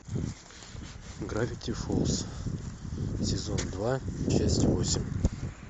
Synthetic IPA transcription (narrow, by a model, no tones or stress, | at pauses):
ɡrafʲikt̪ʲifulˠs | sʲezond̪vaʃɛsʲt̪ʲvosʲɪmʲ